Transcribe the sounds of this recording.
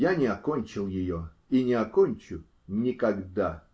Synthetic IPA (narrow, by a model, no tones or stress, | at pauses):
janʲɪakonʲt͡ʃɪlˠjɪjo | inʲɪakonʲt͡ʃʊ | nʲɪkaɡd̪a